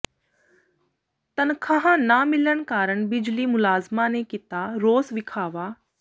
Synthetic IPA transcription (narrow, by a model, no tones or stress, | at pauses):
t̪ɐnkʰaɦãnamɪlənkaːɾəɳ̃bɪd͡ʒliːmʊlaːzmanekɪt̪aɾoːsʋɪkʰaːʋaː